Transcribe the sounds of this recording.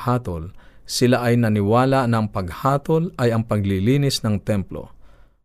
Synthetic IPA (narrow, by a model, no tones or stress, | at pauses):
haːt̪olsɪlaʔɐjnɐnɪwaːlaʔnɐŋpɐɡhaːt̪olɐjɐŋpɐɡlɪliːnɪsnɐŋt̪ɛmplo̰